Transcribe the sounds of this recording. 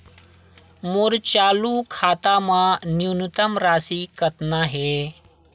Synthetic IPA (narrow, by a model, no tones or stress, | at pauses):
muɾt͡ɕaːlukʰaːt̪amãnjunut̪əmɾaːsikət̪naɦe